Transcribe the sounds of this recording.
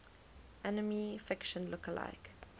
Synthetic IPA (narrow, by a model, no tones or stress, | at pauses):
ʔænəmifɪkʃə̃nlʊkəlʔa̰ɪk